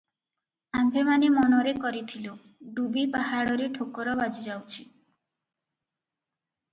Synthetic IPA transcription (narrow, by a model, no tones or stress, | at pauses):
ambʱemanemɔnɔɾekɔɾit̪ʰilo | ɖubipaɦaɽoɾeʈʰokːɔɾɔbad͡ʑid͡ʑawt͡ɕʰi